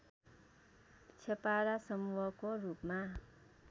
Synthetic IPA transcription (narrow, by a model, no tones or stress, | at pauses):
t͡ɕʰepaɾasʌmuwʌkorupma